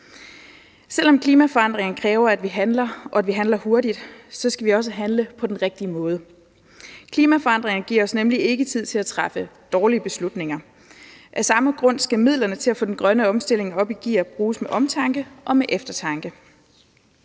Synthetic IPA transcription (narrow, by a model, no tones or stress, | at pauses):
sel̰ɒ̽mkʰliːmæfɒ̽ɑ̈n̰d̥ʁeŋɐnəkʰʁɛːʊɐæd̥ʋiɦænlɐʔɒ̽æd̥ʋiɦænlɐho̝ɐdid̥sɒ̽sɡ̥æʋiɒ̽s̬əɦænləpʰɒ̽d̥enʁeɡ̥̚d̥iəmɔ̽ːð̞ˠə | kʰliːmæfɒ̽ɑ̈n̰d̥ʁeŋɐnəɡ̥iɐ̰ɒ̽snemlie̝ɡ̥ət͡sʰið̞̰ˠt͡sʰe̝læt͡sʰʁɑfəd̥ɒːliəb̥e̝slud̥ne̝ŋɐ | ʔæsɑ̈məɡ̥ʁɔ̽n̰sɡ̥æmið̞̰ˠlɐnət͡sʰe̝læfɔ̽d̥enɡ̥ʁɶnəɒ̽msd̥e̝l̰e̝ŋɒ̽b̥iɡ̥ḭːɐb̥ʁuːsmeʔɒ̽mt͡sʰɑ̈ŋɡ̥əʔɒ̽meʔefd̥ɐt͡sʰɑ̈ŋɡ̥ə